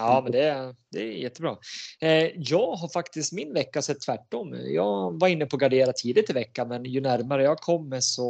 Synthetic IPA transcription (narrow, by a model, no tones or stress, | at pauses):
ɑːmɛnd̪ɛd̪ɛjɛt̪ːəbɾɑ̰ː | jɑːɡɦaɾfakt̪ɪst̪mɪnvɛkːasɛt̪ʰːvæʈːɔmːjɑːɡvaɾɪnːəpʰɔːɡaɖeːɾat̪ʰiːd̪ɪt̪ːɪvɛkːamɛnjɵnæɾmaɾəjɑːɡkʰɔmːɛsɔ